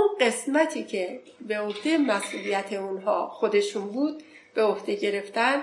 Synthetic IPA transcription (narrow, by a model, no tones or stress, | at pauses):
unɢe̞smæt̪ʰiːcʰe̞ | be̞ohd̪̥emæsʔuːlijæt̪ʰeunɦɒːxo̞d̪e̞ʃunbuːd̪̥̚ | b̥e̞ohd̪̥e̞ɟe̞ɾe̞ft̪æn